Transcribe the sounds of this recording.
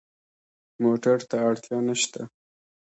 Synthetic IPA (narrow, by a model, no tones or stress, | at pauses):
moʈaɾt̪aːɽt̪jɑnaʃt̪a̰